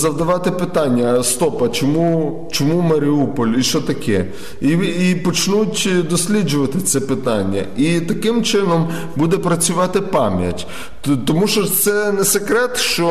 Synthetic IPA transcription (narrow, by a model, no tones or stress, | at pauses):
zɐwd̪ɐʋɑt̪ɪpɪt̪ɑnʲːɐst̪ɔpɐt͡ʃɔmu | t͡ʃɔmumɐɾʲɪupɔlʲiʃt͡ʃɔt̪ɐkʰɛ | iipɔt͡ʃnutʲd̪ɔsʲlʲid͡ʒʊʋɐt̪ɪt̪sɛpɪt̪ɑnʲːɐ̰it̪ɐkɪmt͡ʃɪnɔm | bud̪ɛpɾɐt͡sʲʊʋɑt̪ɪpɑmʲjɐ̰tʲ | t̪ɔmuʃt͡ʃɔt̪sɛnɛsekɾɛt̪ʃt͡ʃɔ